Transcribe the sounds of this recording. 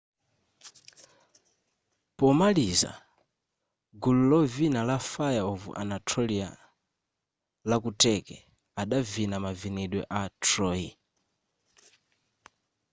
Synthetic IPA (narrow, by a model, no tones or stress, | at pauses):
pɔmaliza̰ | ɡululɔvinalafajaɔvṵʔa̰natʰɾɔlia | lakutɛkɛ | aɗavinamavinɛɗwɛ̰ʔatʰɾɔi